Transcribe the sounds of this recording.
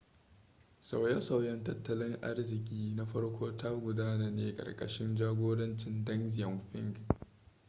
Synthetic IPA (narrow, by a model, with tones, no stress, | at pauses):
sa˨wja˦sa˨wjɐ˦ntɐ˦tːɐ˦lɪ˦ŋʔa̰˦rzɪ˨kʲʼiː˦na˦ɸɐ˦ɽkʷʰoː˦tʰa˦ɡʷʊ˨daː˦naː˨neː˦kʼɐ̰˨rkʼɐ̰˨ʃɪ˦nd͡ʒaː˦ɡʷoː˦ɽɐ˦nt͡ʃɪ˨ndɐ˦nzɪ˨jɐ˨mɸɪ̰˦ŋɡ